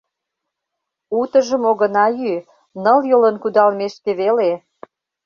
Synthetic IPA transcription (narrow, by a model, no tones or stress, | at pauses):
ut̪ə̆ʒə̆moɣə̆nɑjy | nə̆ljolənkud̪ɑlmeʃk̪eβele